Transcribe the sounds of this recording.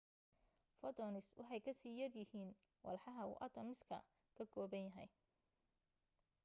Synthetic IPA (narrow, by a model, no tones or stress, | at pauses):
fɔt̪ʰɔnɪswɑħɑjkʰɐsiːjɐdjɪhiːn | wɑ̰lħɑɦɐṵːʔɐt̪ʰɔmɪskʰɐ̰ | kʰɐɡʰɔːbɐnjɐɦɛ̰j